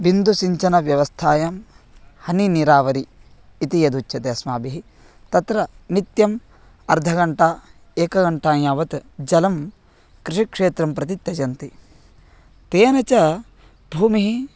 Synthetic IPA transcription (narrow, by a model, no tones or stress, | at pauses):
ʋind̪usiɲt͡ʃɐnɐʋjɐʋɐst̪ʰaːjaːm | hɐniniɾaːʋɐɾiː | t̪ijɐd̪ut͡ʃʃʰɐt̪eɐsmaːbiɦi | t̪ɐt̪ɾɐnit̪jɐm | ɐɾd̪ʱɐɡɐɳʈaː | eːkɐɡɐɳʈaːjaːʋɐt̪d͡ʒɐlɐm | kɾiʂikʂeːt̪ɾɐmpɾɐt̪it̪jɐd͡ʒɐnt̪i | t̪eːnɐt͡ʃɐ | bʱuːmiɦi